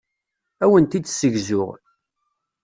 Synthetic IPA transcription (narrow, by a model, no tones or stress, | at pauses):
æwənt̪id̪səʝzʊʁ